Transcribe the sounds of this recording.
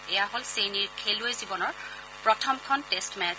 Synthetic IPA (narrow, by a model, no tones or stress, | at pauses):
ɛjaɦolseniɹkʰeluezibɔnɔɹ | pɹɔtʰɔmkʰɔntestmɛ